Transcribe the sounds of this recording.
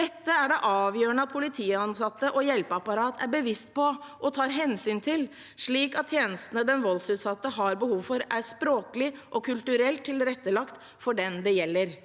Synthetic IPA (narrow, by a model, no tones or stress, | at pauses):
d̪ɛt̪ːəæɖɛʔɑːʋjøːəɳəɑt̪̚pʰʊlɪt̪ʰiːɑnsɑt̪ːəʔɔjɛlpəɑpɑɾɑːt̪ʰæɾbəʋɪst̪pʰɔʔɔt̪ʰɑːɾɦɛnsyːnt̪ʰɪl | ʂɭiːkɑt̪ʰːjeːnəst̪ənəd̪ɛnʋɔlsʉːt̪sɑt̪ːəɦɑɾbəhuːʋfɔɾæʂpɾoːkəlɪʔɔkʰʉlt̪ʉɾɛlt̪ʰːɪlɾɛt̪ːəlɑkt̪ | fɔɖɛnd̪ɛjɛlːəɾ